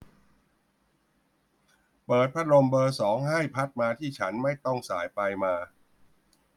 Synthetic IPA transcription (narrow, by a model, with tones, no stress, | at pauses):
pɤː˨˩t̪̚pʰa˦˥ɾo˧mbɤː˧sɔː˩˦ŋɦa˥˩jpʰa˦˥t̪̚maː˧t̪ʰiː˥˩t͡ɕʰa˦˥nma˥˩jt̪ɔ˥˩ŋsa̰ː˩˦jpa˧jmaː˧